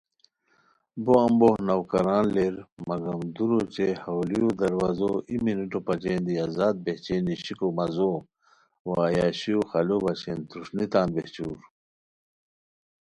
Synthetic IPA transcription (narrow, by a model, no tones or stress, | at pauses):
boɐmbohnɐwkɐɾaːnleɾmɐɡɐmd̪uɾot͡ɕehɐwlijod̪ɐɾwaːzoiminuʈopɐt͡ɕeːnd̪iazaːd̪̚beht͡ɕeːniɕikomɐzo | waːjaːɕiuxɐlobɐɕent̪uʂnit̪ãːnbeht͡ɕṵːɾ